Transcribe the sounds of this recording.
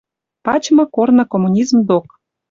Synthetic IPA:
pɑt͡ɕmɤ̆kornɤ̆komunʲizmd̪ok

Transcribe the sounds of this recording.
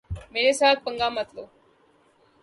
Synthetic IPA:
meːɾesat̪̚pəŋɡamət̪lo

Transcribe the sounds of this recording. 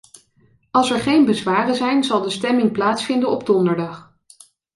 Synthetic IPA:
ɑlˠsɛɹχejnbəzʋaːrəzɛjnzɑlˠdəstɛmɪŋplaːtsfɪndənɔb̚dɔndəɹdɑχ

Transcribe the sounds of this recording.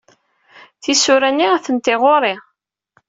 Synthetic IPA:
θisʊɾænːiæθənt̪eʁoɾˤe

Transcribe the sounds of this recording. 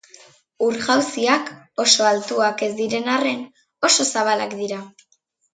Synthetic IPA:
uɾɣawsiak | o̞so̞alt̪uake̞zd̪iɾe̞nare̞n | o̞so̞saβ̞alakd̪iɾa

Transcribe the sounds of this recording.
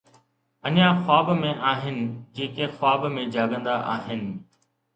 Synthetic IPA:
əɲãːxwaːbmẽʔaːɦɪnɪ̆d͡ʑeːkexʊaːbmẽd͡ʒaːɡə̃nd̪aʔaːɦɪnɪ̆

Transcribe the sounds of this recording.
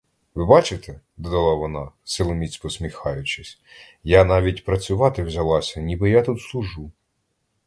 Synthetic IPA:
ʋɪbɑt͡ʃɪt̪ɛ | d̪ɔd̪ɐlˠɑʋɔnɑsɪlˠɔmʲisʲpɔsmʲixɑjʊt͡ʃɪsʲ | janɑʋʲitʲpɾɐt͡sʲʊʋɑt̪ɪwzʲɐlˠɑsʲɐnʲibɪjat̪ut̪slˠʊʒu

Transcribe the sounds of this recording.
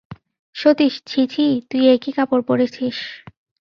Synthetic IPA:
ʃot̪iʃt͡ɕʰit͡ɕʰit̪ujekikapoɾpoɾet͡ɕʰiʃ

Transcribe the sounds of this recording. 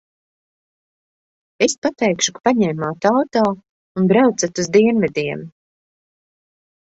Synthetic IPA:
espat̪ɛjkʃukḁpaɲɛjmaːt̪awt̪ɔː | unbɾawt̪sat̪uzd̪iɛnvɛd̪iɛm

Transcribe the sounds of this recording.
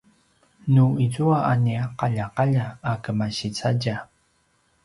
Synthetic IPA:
nuizuaʔaniaqaʎaqaʎaːkəmaɕit͡saɟa

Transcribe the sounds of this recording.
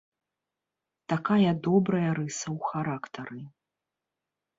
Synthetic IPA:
t̪akajɐd̪ɔbɾɐjɐɾɨsɐwxaɾakt̪ɐɾɨ

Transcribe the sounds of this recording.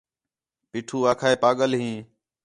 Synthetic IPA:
piːʈʰuːaːkʰaːeːpaːɠəlɦĩː

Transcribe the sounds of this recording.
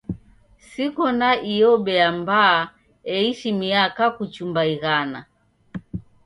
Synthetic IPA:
sikɔnaʔijɔɓɛambaː | ɛiʃimiakakut͡ʃumbaiɣana

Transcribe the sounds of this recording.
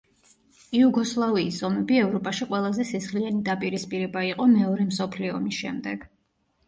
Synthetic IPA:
iuɡɔslˠaviːsɔmɛbiɛvɾɔpʼaʃiqʼwɛlˠazɛsisχlianid̪apʼiɾispʼiɾɛbaiqʼɔmɛɔɾɛmsɔpʰliɔ̰misʃɛ̰md̪ɛɡ̥

